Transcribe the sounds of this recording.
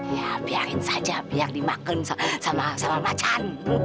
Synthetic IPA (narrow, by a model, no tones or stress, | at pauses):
japiakinsat͡ʃapiak̚dimakːənsasamasamamat͡ʃʰan